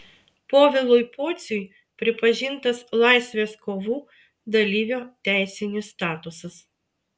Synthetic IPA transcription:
poːʋʲɪlˠʊɪpoːt̪sʲʊj | pʲɾʲɪpɐʒʲɪnt̪ɐslˠɑˑɪsʲʋʲeːskoːʋuː | d̪ɐlʲiːʋʲoːt̪ʲæˑɪsʲɪnʲɪst̪ɑːt̪ʊsɐs

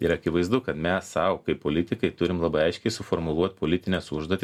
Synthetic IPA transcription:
ɪɾɐkʲɪʋɐɪzd̪ʊkɐt̪mʲɛsɐʊkɐɪpoːlʲɪt̪ʲɪkɐɪt̪ʊɾʲɪmlˠɑːbɐɪɐɪʃʲkʲɛɪsʊfoːɾmʊlˠuɔt̪poːlʲɪt̪ʲɪnʲɛsʊʒd̪oːt̪ʲɪ

